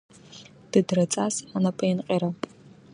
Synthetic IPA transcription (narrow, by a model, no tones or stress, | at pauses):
d̥ɨdrɐt͡sʼaːsanɐpʼɐjɪnqʼeːɾɐ